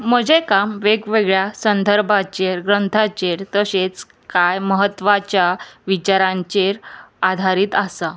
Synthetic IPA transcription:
məd͡ʑekamʋeɡʋeɡɭjasənd̪ʱəɾbʱat͡ɕeɾɡɾənt̪ʰat͡ɕeɾt̪əɕet͡s | kajməɦət̪ːʋat͡ɕjaʋit͡ɕaɾãɲt͡ɕeɾad̪ʱaɾiːt̪asa

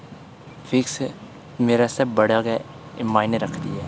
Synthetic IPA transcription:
fɪks | meːɾasɐbbəɽaɡɛ | maːɪneɾəkʰt̪iɦɛː

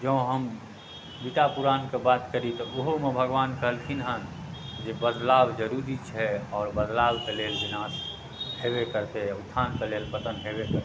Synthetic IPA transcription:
d͡ʒəɦəm | bit̪apuɾankebat̪kəɾit̪ɔoɦomebʱəɡʋankəɦəlt̪ʰinɦən | d͡ʒebəd̪labd͡ʒəɾuɾit͡ʃʰɛɔːɾbəd̪lawkelelbinas | hebekəɾt̪eut̪ʰːankelelpət̪ənɦebekəɾt̪e

